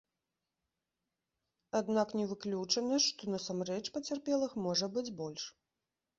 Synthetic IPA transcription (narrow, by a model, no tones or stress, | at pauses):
ad̪naknʲɛvɨklʲut͡ʂɐnɐʂt̪ɔnɐsamrɛt͡ʂpɐt͡sʲarpʲɛlˠɨxmɔʐɐbɨd͡zʲbɔlʲʂ